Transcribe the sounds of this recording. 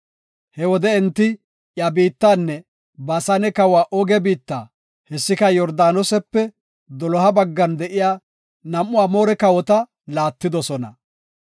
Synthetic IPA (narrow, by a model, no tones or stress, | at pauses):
hɛwɔd̪ɛɛnt̪ːɪ | jɐbiːt̪ːaːnːɛ | bɐsɐnɛkɐwaːʔɔɡɛbiːt̪ːa̰ː | hɛsːɪkɐjɔɾd̪aːnɔsɛpːɛ | d̪ɔlɔɦɐbɐɡːɐnd̪ɛʔɪjaː | nɐmːʊaːmoːɾɛkɐwɔt̪ɐ | laːt̪ːɪd̪ɔsɔnɐ̰